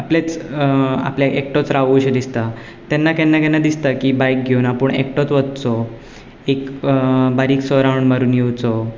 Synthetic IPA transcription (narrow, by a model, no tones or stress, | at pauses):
aplet͡s | a̰pljaʔek̚ʈot͡sɾaʋuɕed̪ist̪a | t̪anːakɛnːakɛnːad̪ist̪akiːbajk̚ɡʱewnapuɳḛk̚ʈot͡sʋət̪̚t͡sɔ | ekbaɾiːksɔɾawɳməɾuːnjewt͡sɔ